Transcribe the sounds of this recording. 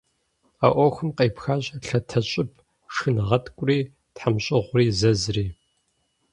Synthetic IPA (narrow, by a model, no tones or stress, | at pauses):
a̰ʔʷɔxʷɨmqeːpxaːɕʼɐɬɐtʰɐɕʼɪb̚ʰ | ʂɨnɨʁɐtʰkʷʼʊriː | tħamɕʼɪʁʷriːzɐzriː